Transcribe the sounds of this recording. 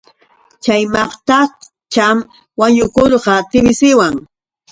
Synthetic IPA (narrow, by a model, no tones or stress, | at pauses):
t͡ʃajmɑχt̪a | t͡ʃam | waɲʊkoɾqɑt̪ɪbɪsɪwaŋ